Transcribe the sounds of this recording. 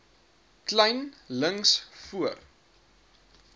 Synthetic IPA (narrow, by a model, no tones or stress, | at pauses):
klɛjnləŋsfuər